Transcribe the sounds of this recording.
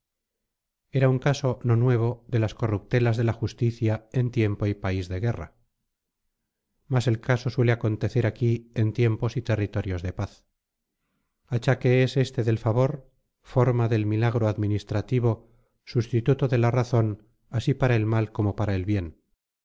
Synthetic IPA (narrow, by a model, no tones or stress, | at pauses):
e̞ɾauŋkaso̞no̞nwe̞β̞o̞ðe̞lasko̞rup̚t̪e̞lazðe̞laxust̪iθjae̞nt̪je̞mpo̞ipaizðe̞ɣ̞e̞ra̰ | mase̞lkaso̞swe̞le̞ako̞nt̪e̞θe̞ɾakie̞nt̪je̞mpo̞sit̪e̞rit̪o̞ɾjo̞zðe̞paθ | at͡ʃake̞ese̞st̪e̞ðe̞lfaβo̞ɾ | fo̞ɾmaðe̞lmilaɣ̞ɾo̞aðminist̪ɾat̪iβo̞ | sust̪it̪ut̪oðe̞laraθon | asipaɾae̞lmalko̞mo̞paɾaelβje̞n